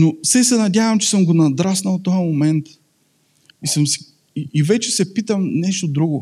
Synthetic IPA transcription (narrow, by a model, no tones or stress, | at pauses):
nosɛsɛnɐdʲjavɐmt͡ʃɛ̥sɤmɡonɐd̪ɾasnɐlˠt̪ːɔjəmomɛnt̪ | isəmsi̥ | iivɛt͡ʃɛsɛpit̪əmnɛʃt̪od̪ɾuɡʊ